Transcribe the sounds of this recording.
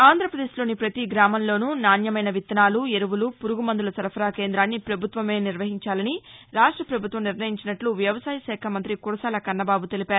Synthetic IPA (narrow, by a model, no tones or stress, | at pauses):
aːnd̪ɾɐpɾɐd̪eːʃlo̞ːnipɾɐt̪iɡɾaːmɐnlo̞ːnunaːnjɐmɐjnɐʋit̪ːɐnaːlue̞ɾuʋulupuɾuɡumɐnd̪ulɐsɐɾɐpʰɐɾaːke̞ːnd̪ɾaːnːipɾɐbʱut̪ʋɐme̞ːniɾʋɐɦiɲt͡ʃaːlɐniɾaːʂʈɾɐpɾɐbʱut̪ʋɐmniɾnɐjiɲt͡ʃinɐʈluʋjɐʋɐsaːjɐʃɛːkʰɐmɐnt̪ɾikuɾɐsaːlɐkɐɾnɐbaːbut̪e̞lipaːɾu